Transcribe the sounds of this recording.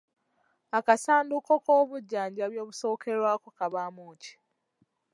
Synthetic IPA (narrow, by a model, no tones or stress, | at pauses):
akasaːndukokoːβuɟːaːɲɟaβjo̞ːβuso̞ːkʰe̞ɾwaːkokaβaːmoːci̥